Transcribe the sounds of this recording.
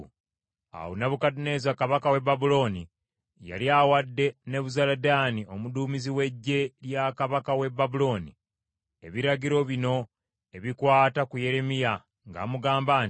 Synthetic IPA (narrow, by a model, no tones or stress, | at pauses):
a̰wo̰naβukadine̞ːzakaβakawe̞babulo̞ːni | ja̰liawadːe̞ne̞βuzaladaːnio̞muduːmiziwe̞ɟːe̞ljakaβakawe̞bːabulo̞ːnḭ | e̞̰βiɾaɟiɾo̞βino̞ | e̞βikwaːtakuje̞ɾe̞mija | ŋɡa̰ːmuɡaːmbaːn